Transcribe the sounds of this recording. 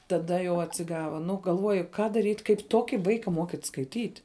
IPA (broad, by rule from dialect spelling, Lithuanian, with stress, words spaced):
tɐˈdɐ jɛʊ ɐtʲsʲɪˈɡɑːʋɐ ˈnʊ ɡɐlˠˈʋuɔjʊ kɐ dɐˈrʲiːtʲ kɐɪp ˈtuɔkʲɪ ˈʋɐɪkɐ ˈmoːkʲiːtʲ skɐɪˈtʲiːtʲ